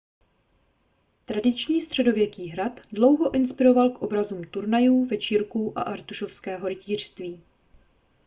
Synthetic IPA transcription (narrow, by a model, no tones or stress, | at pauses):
t̪ɾadɪt͡ʃɲiːst̪r̝̥ɛdo̞vjɛkiːɦɾat̪dlo̞wɦo̞ʔɪnspɪɾo̞valkʔo̞bɾazuːmt̪uɾnajuːvɛt͡ʃiːɾkuʔa̰ʔaɾt̪uʃo̞fskɛːɦo̞ɾɪciːr̝̥st̪viː